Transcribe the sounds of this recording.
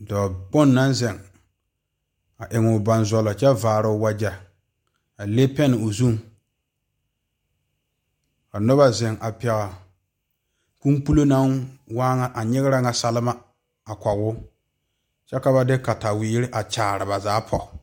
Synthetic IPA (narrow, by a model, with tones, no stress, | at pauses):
dɔː˨bʊ˦nːa˦nzɪ˨ŋ | a˨ʔɪ˨ŋʊ˨ba˦nzɔ˦lɔ˨t͡ʃɛ˦vaː˨ɾʊ˨˦wa˦d͡ʒa˨ | a˨le˦pɛ˦nɪ˨ʊ˨zu˦ŋ | ka˨nʊ˦ba˦zɪ˨ŋa˨pɛ˨ɣa˨ | ku˦mk͡pu˦lo˦na˦ŋwaː˦ŋa˨ʔa˨ɲɪ˦ɣɪ˦ɾa˦ŋa˨sa˦lɪ˦ma˦ | a˨kʷa˨wʊ˦ | t͡ʃɛ˦ka˦ba˦dɪ˦ka˨ta˨wiː˨˦ɾɪ˦ʔa˨t͡ʃaː˨ɾɪ˨ba˨zaː˨˦pʰɔ˨